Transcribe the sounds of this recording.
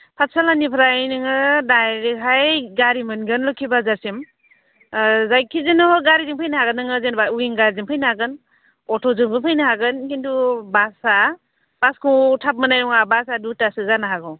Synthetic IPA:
pʰat̚salanipʰɾajnɯŋɯdajɾiɦʰajɡaɾimɯnɡɯnlɔkʰibazaɾsim | zajkʰizenɔɡaɾidiŋpʰajnaɦaɡɯnːɯŋɯzenbauiŋɡaɾziŋpʰajnaaɡɯn | ɔtʰɔzɯŋbɯpʰajnaɦaɡɯnkintubasa | b̥askʰutʰap̚manajɔŋabasadutasɯzanaɦaɡɔ

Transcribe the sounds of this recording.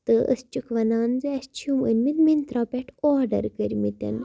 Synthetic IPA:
t̪ɨʔə̰st͡ʃukʋɐnaːnzɨɐst͡ʃʰumɨnʲmit̪mint̪ɾoːpʲeʈʰoːɾɖɐ̰ɾkəɾʲmit̪ʲɐ̰n

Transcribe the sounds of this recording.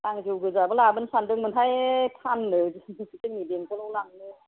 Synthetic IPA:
laŋɡiwɡɯzabɯlabɯnsandɯŋmɯntʰajpʰanːɯsɯtɯŋideŋkʰɯlɔwlaŋnɯ

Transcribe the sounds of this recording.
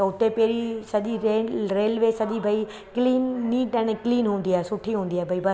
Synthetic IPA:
t̪ɐʊt̪epeːɾisɐʄiɾeːɾeːlʋesɐʄibʱɐi | kliːnːiːʈɛ̃ːɽɛkliːnɦũːn̆d̪iaːɦɛsʊʈʰiɦũːn̆d̪iaːɦebʱɐibɐ

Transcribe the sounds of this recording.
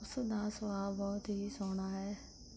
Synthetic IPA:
ʊsd̪aːsəʋaːlbɔːt̪ɦisoːɳ̃aːɦɛː

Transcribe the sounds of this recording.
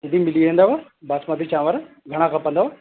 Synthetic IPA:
d̪imɪliẽnd̪aʋa | baːsmad̪it͡ʃãːʋaɾ | ɡʱɐɽ̃ãkʰãpə̃nd̪aʋa

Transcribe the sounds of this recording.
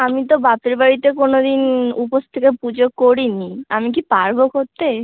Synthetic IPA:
amit̪̬obap̪eɾbaɾit̪ekonod̪inupost̪ʰekepud͡ʑokoɾiniamik̬ipaɾbokoɾt̪e

